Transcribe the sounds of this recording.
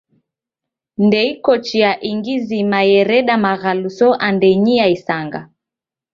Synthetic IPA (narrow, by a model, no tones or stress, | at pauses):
ndɛikɔt͡ʃiaʔiŋɡizimajɛɾɛɗamaɣalusɔʔandɛɲiaisaŋɡa̰